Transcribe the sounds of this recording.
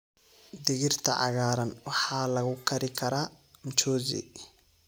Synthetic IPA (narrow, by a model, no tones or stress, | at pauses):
d̪ɪɣɪrt̪ʰɐ̰ʕɑ̰ɣaːɾɐnwɑħɑːlɐɣʊkʰɐɾɪkʰɐɾaːmt͡ʃɔːzḭ